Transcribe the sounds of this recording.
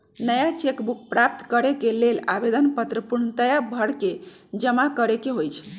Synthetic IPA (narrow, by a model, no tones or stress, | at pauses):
nəjat͡ʃekbuk̚pɾap̚t̪kəɾekelelabed̪ənpət̪ɾəpuɾnət̪əjabʱəɽke | d͡ʒəmakəɾekeɦojt͡ʃʰ